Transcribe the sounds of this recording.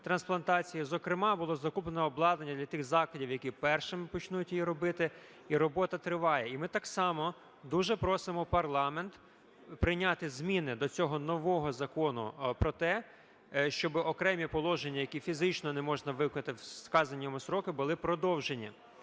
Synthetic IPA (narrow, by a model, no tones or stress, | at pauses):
t̪ɾɐnsplˠɐnt̪ɑt͡sʲijizɔkɾɪmɑbʊlˠɔzɐkuplenɛɔblˠɑd̪nɐnʲːɐd̪lʲɐt̪ɪxzɑklˠɐdʲiwjɐkʲipɛrʃɪmɪpɔt͡ʃnutʲjjiɾɔbɪt̪ɪ | iɾɔbɔt̪ɐt̪ɾɪʋɑjɛimɪt̪ɑksɑmɔ | d̪uʒɛpɾɔsɪmɔpɐrlˠɑment̪ | pɾɪjnʲɑt̪ɪzmʲinɪd̪ɔt͡sʲɔɦɔnɔʋɔɦɔzɐkɔnʊ̰pɾɔt̪ɛ | ʃt͡ʃɔbɪʔɔkɾɛmʲipɔlˠɔʒenʲːɐjɐkʲifʲizɪt͡ʃnɔnɛmɔʒnɐʋɪknɐt̪ɪskɑzɐnʲːɔmʊsɾɔkɪbʊlˠɪpɾɔd̪ɔwʒenʲːi